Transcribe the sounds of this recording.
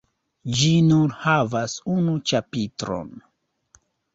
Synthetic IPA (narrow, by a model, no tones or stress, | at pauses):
d͡ʒinuɾhavasunut͡ʃapitɾo̰n